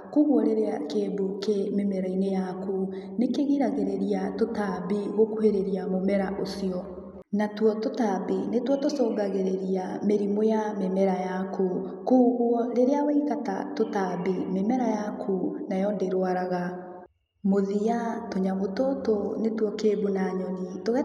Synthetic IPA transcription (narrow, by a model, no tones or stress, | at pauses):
kuɣwɔɾeɾeakeːbukememɛɾainejakunekeɣiɾaɣeɾeɾiatotabiɣokuheɾeɾiamomɛɾaʔosiɔ | natwɔtotabinetwɔtosoːɡaɣeɾeɾiameɾimojamemɛɾajakʰukuːɣwɔɾeɾeawɛikata̰totabimemɛɾajakʰunajɔndeɾwaɾaɣa | moðiatoɲamototonetwɔkeːbunaɲɛnitoɣɛ